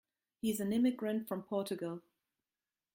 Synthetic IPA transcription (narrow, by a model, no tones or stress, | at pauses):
hizə̃nɪ̃mɪɡɹə̃ntfɹə̃mpʰɔˑt͡ʃəɡəlˠ